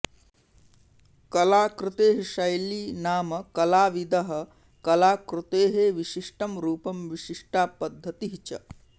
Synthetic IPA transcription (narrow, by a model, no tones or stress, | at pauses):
kɐlaːkɾɪt̪eːɦeʃɐjliːnaːmɐkɐlaːʋid̪ɐɦɐ̆ | kɐlaːkɾut̪eːɦeʋiʃiʂʈɐmɾuːpɐmʋiʃiʂʈaːpɐd̪ʱːɐt̪iɦt͡ʃɐ̰